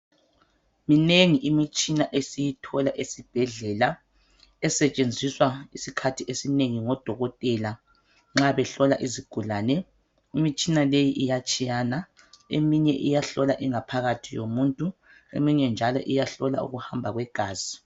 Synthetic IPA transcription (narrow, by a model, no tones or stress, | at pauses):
mineŋiʔimit͡ʃʼinaʔesijitʰɔlaʔesib̥ʱɛɮɛla | ɛsɛt͡ʃʼend͡zʱiswaisikʰatʰiʔesineŋiŋɔd̥ʱɔɣɔtʼɛla | ŋ͡ǁaβɛɬɔlaʔiziɡ̥ʱulaːnɛ | imit͡ʃʼinalejiʔijat͡ʃʼijana | ḛmiɲɛʔijaɬɔlaʔiŋapʰaɣatʰijomuntʼu | ḛmiɲɛnd͡ʒʱalɔ̰ʔijaɬɔla̰ṵɣuhambʱaɣwɛɡ̥ʱaːzi